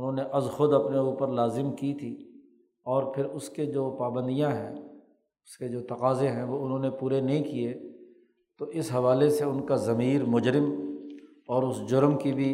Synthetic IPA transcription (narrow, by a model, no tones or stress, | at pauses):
ʊnɦõːneʔɐzxʊd̪ɐpneuːpəɾlaːzɪmkit̪ʰi | ɔːɾpʰɪɾʊsked͡ʒoːpaːbə̃nd̪ijãɦɛ̃ː | ʊsked͡ʒoːt̪ɐqaːzẽɦɛ̃ʋoʊnɦõːnepuːɾenɐɦĩkie | t̪oʔɪsɦɐʋaːleseʊnkazɐmiːɾmʊd͡ʒɾɪm | ɔːɾʊsd͡ʒʊɾmkibʱi